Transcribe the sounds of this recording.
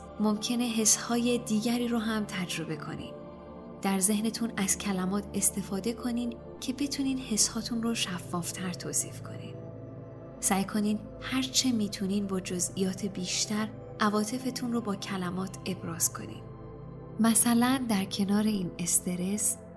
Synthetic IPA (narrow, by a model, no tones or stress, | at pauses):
momcʰe̞ne̞ɦe̞shɒːje̞d̪iːɟæɾiːɾoɦæmt̪ʰæd͡ʒɾo̞be̞kʰo̞̰nḭd̪ | d̪̥æɾze̞hne̞t̪ʰunæz̥cʰælæmɒːt̪ʰe̞st̪e̞fɒːd̪e̞kʰo̞niːn | cʰe̞be̞t̪ʰuniːd̪he̞shɒːt̪ʰunroʃæfːɒːft̪ʰæɾt̪ʰoːsḭːfkʰo̞̰nḭːd̪̥ | sæjkʰo̞niːd̪ | hæɾt͡ʃʰe̞miːt̪ʰuniːnbɒːd͡ʒo̞zʔijɒːt̪ʰe̞biːʃt̪æɾ | ʔævɒːt̪ʰe̞fe̞t̪ʰunrobɒːcʰælæmɒːt̪ʰe̞bɾɒːz̥kʰo̞̰nḭːd̪̥ | mæsælænd̪æɾcʰe̞nɒːɾe̞iːne̞st̪ʰe̞ɾe̞s